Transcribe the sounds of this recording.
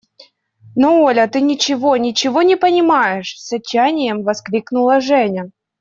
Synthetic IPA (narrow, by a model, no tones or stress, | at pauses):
noolʲət̪ɨnʲɪt͡ɕɪvonʲɪt͡ɕɪvonʲɪpənʲɪmajɪʂsɐt͡ɕːanʲɪjəmvɐskɾʲiknʊlˠəʐɛnʲə